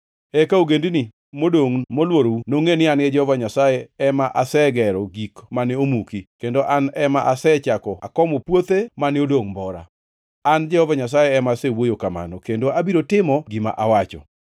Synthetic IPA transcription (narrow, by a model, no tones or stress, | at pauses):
ɛkauɡendini | modoŋmolwoɾounoŋenɪanɡɛd͡ʒɛhɔvaɲasajeɛmaʔasɛɡɛɾɔɡikmanɪomukikendoʔanɛmaʔasɛt͡ʃakɔa̰kɔmopwot̪emanɪodoŋmbɔɾa̰ | and͡ʒɛhɔvaɲas̬ajeːmasewojokama̰nɔkendoabiɾotɪmɔɡɪma̰ʔawat͡ʃɔ̰